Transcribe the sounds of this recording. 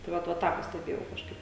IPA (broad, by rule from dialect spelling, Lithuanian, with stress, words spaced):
tɐɪ ˈʋɐt ʋɐ ˈtɑː pɐsʲtʲɛˈbʲeːjɛʊ kɐʃˈkɐɪp